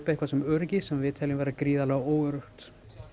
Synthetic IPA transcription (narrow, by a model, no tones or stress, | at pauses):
pehkvasɛmœɾcɪsɛmvɪːt̪ʰɛlɪnvɛːɾakɾiːðalaɣoːwʏɾʏht̪